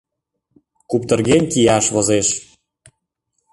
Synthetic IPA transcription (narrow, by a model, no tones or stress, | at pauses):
kupt̪ɤ̆rɣenʲkijɑʃβozeʃ